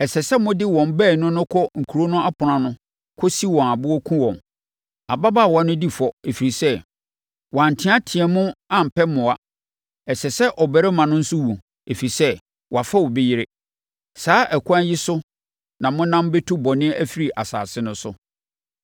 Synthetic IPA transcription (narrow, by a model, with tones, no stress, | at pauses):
ɛ˨sɛ˨sɛ˦mʊ̃˦dɪ˦wɔ̃˨mbɛː˦˨nʊ̃˦nʊ̃˦kʰɔ˦ŋ̩˨kʰu˨ɾo˦nʊ̃˦ʔa˦pʰʊ˨ɾã˨nʊ̃˦ | kʰɔ˦si˦wɔ̃˨na˨bʊ˦wɔ˦kʰũ˦wɔ̃˨m | a̰˨ba˦baː˦˨wa˦nʊ̃˦di˦fɔ˨e˨fi˨ɾi˨sɛ˦ | wã˨n̩˨tʰɪ̃˦a˦tʰɪ̃˨ɛ˨mʊ̃˦ã˦m̩˨pɛ˦mʊ̃˨a˨ | ɛ˨sɛ˨sɛ˦ʔɔ˨bæ˨ɾɛ˦mã˨nʊ̃˦n̩˦sʊ˦wu˨ | e˨fi˨ɾi˨sɛ˦ | wa˨fa˦wɔ˨be˦jɪ˦ɾe˦ | saː˦ʔæ˨kʰʊ˦ã˦nji˦sʊ˦ | nã˨mʊ̃˦nã˦m˦be˦tʰu˦bɔ˨nɪ̃˦æ˦fi˦ɾi˨ʔa˨sa̰ː˨sɪ˦nʊ̃˦sʊ̰˦